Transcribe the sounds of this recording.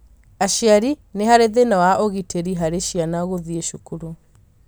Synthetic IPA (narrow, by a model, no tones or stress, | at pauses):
aʃiaɾineɦaɾeðenawaʔoɣitʰeɾiɦaɾeʃianaɣoðieʃukuɾo